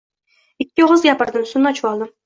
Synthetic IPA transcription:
ɪkʲːɪʁʊzɡʲapɨɾd̪ɪmsʊnːɑt͡ʃʰuwɑlˠd̪ɪm

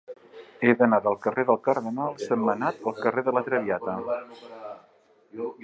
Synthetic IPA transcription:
eðənaðəlˠkəreðəlˠkəɾðənalˠsəmːənat̪əlˠkəreðələt̪ɾəβiat̪ə

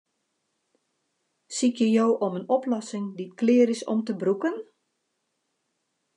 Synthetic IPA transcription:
sikjəjoːʔomənɔplɔsɪŋditklɪːɾɪsɔ̰mtəbrukən

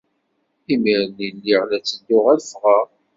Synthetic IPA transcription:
imiɾnilːiʁlæt͡sːəd̪ʊʁælfʁə

